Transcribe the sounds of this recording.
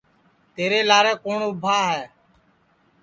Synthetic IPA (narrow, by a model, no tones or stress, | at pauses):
t̪eːɾeːlaːɾɛːkoːɳʊbʱaːɦɛː